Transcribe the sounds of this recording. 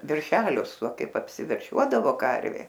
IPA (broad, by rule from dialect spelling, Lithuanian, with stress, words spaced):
ʋʲɛrʲˈʃʲæːlʲʊs oː ˈkɐɪp ɐpʲsʲɪʋʲɛrʲˈʃʲuɔdɐʋoː ˈkɐrʲʋʲeː